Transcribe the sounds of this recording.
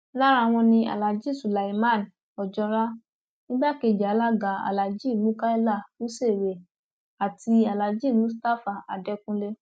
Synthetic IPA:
la˦ɾa˦˧˨w̃ɔ̃˧nĩ˧a̰˨la˨d͡ʒi˦˨su˨la˨i˨mã˦˨n˨ | ɔ˨d͡ʒɔ˧ɾa˦ | nĩ˦ba˦˨ke˧˨d͡ʒa˨˦la˦ɡa˨˦a̰˨la˨d͡ʒi˦˨nũ˨˦ka˦i˦la˦˨to˨˦se˦˨ɾe˨ | a˨ti˧a˨la˨d͡ʒi˦˨nũ˨˦s̬ta˦fa˨a̰˨dɛ˧˦kũ˦le˦

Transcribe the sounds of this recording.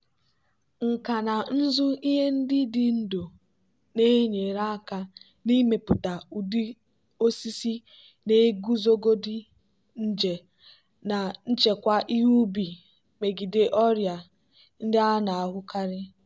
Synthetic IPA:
ŋ̩˨ka˨na˨n̩˦zʊ˦i˦ɦe˦n̩˦dɪ˦dɪ˦n̩˦do˨ | ne˦ɲe˨ɾa˦a˦ka˦ | ni˦me˨pʊ˨ta˨u˨di˦ | o˦si˦si˦ | ne˦e˦ɡu˦zo˦ɡo˦dɪ˦ | n̩˦d͡ʒe˨ | na˨n̩˦t͡ʃe˨kʷa˦ʔi˦ɦu˦bi˨ | me˨ɡi˨de˨ʔɔ˦ɾja˨ | n̩˦dɪ˦a˦na˨a˨ɦʊ˦ka˦ɾɪ˦

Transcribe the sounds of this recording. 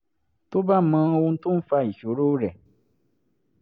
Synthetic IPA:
to˦ba˦˨˦mã˧wo˧n̩˦tũ˦fa˧i˨ʃo˨˦ɾo˦ɾɛ˨

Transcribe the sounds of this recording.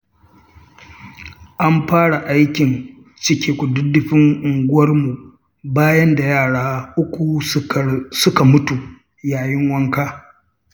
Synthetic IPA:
ʔa˦mɸaː˦ɽa˨ʔa˦jkʲɪ˨n | t͡ʃɪ˦kʲe˨kʷʊ˨dʊ˦dɪ˦ɸɪ˦ŋʔʊ˨ŋɡʷʊ˦wɐ˦rmu˨ | baː˦jɐ˦nda˨jaː˦˨ɽaː˦ʔʊ˦kʷu˨ | sʊ˦ka˨mʊ˦tu˨ | jaː˨jɪ˦ŋwɐ˦ŋkaː˦

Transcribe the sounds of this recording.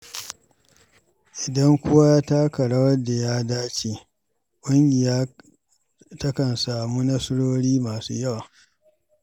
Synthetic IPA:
ʔɪ˨dɐ˦ŋkʷʊ˦wa˦jaː˦taː˦kɐ˨ɽa˦wɐ˦da˨jaː˦daː˦t͡ʃeː˨ | kʷʼʊ˦ŋɡʲɪ˨jaː˦ | tɐ˦kɐ˨nsaː˨muː˦nɐ˦sʊ˦ɽoː˦ɽiː˦maː˨sṵː˦jɐ˦˨wa˨

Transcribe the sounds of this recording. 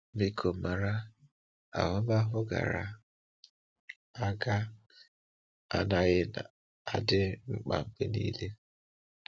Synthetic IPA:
mi˦kʰo˨ma˨ɾa˦ | a̰˨ɦʊ˦ba˦ɦʊ˦ɡa̰˨ɾa̰˨ | a˦ɡa˦ | a̰˦na˨ɣɪ˦na˨ | a˦dɪ˦ŋ͡m̩˦k͡pa̰˨m̩˨be˦nḭː˦le˦

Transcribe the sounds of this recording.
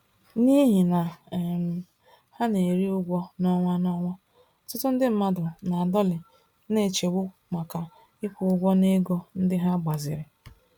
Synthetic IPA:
ni˦ɦi˨na˨m˨ | ha˦ne˨ɾi˦ʊ˦ɡʷɔ˦nɔ˦ŋʷa˦nɔ˦ŋʷa˦˨ | tʊ˦tʊ˦n̩˦dɪ˦m̩˦ma˦dʊ˨na˨a˨dɔ˦lɪ˨ | ne˦˨t͡ʃe˨wʊ˦ | ma˨ka˨ | i˦kʷu˦ʊ˦ɡʷɔ˦ne˦ɡo˦n̩˦dɪ˦ɦa˦ɡ͡ba˨zɪ̰˨ɾɪ˨

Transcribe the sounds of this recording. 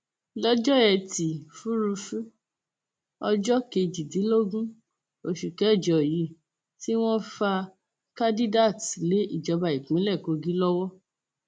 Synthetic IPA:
lɔ˦d͡ʒɔ˦ɛ˧ti˨fu˦ɾu˧fu˦ | ɔ˧d͡ʒɔ˦ke˧d͡ʒi˨di˨˦lo˦ɡũ˦ | o˨ʃu˨kɛ˨˦i˦˨d͡ʒɔ˨ji˨˦ | ti˦w̃ɔ̃˦fa˧ | kã˦di˦da˦˨tle˨˦i˦˨d͡ʒɔ˧ba˧i˨k͡pĩ˨˦lɛ˦˨ko˧ɡĩ˨˦lɔ˦wɔ˦

